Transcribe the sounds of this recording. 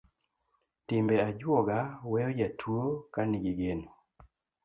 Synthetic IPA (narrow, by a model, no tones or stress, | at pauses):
tɪmbɛad͡ʒwɔɡawɛɔd͡ʒatʰuokaniɡiɡeno